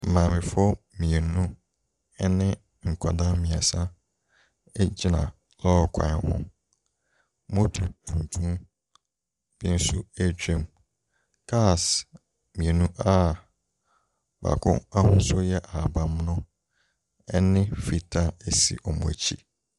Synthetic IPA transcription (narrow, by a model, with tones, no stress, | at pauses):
m̩˨mã˨mɪ̃˨fɔ˦mĩ˨e˨nũ˦ | ɛ˦nɪ̃˦ | ŋ̩˨kʷʰa˨da˦mĩ˨a˨sã˦ | ɛ˦d͡ʑi˦nã̰˨ | lɔː˦˨kʷʰã̰˨hʊ̰̃˦ | mõ˦tʰu˨tʰũ˨n˨tʰũ˦ | bɪ˦n̩˦su˦æ˦d͡ʑᶣẽ˦˨m | kʰa˦˨s | mĩ˨e˨nũ˦ʔa˦ | ba̰˨kʰʊ̰̃˦a˦hʊ̃˦sʊ˦jɛ˦ʔa˨bã˨m˦nʊ̃˦ | ɛ˦nɪ̃˦fi˨tʰa˦æ˨sḭ˦˨ʔɔ˨mʊ̰̃˨æ̰˨t͡ɕʰḭ˦